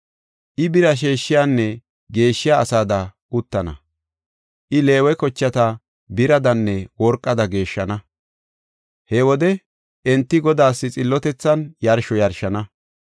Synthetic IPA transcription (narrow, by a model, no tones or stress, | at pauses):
ʔɪbɪɾɐʃ̬e̞ːʃːɪjaːnːɛ | ɡe̞ːʃːɪjaːsaːd̪ɐʔʊt̪ːɐnɐ̰ | ʔɪle̞ːwɛkɔt͡ʃːɐt̪ɐ | bɪɾɐd̪ɐnːɛwɔɾkʼːɐd̪ɐɡe̞ːʃːɐnɐ | hɛwɔd̪ɛ | ʔɛnt̪ːɪɡɔd̪aːsːɪt͡sʼɪlːɔt̪ɛt͡sːɐnjɐɾʃɔjɐɾʃɐnɐ